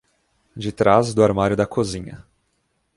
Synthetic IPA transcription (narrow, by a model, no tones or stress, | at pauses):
d͡ʒɪt̪ɾazd̪ʊaɾmaɾjʊd̪ɐkʰozĩɲɐ̰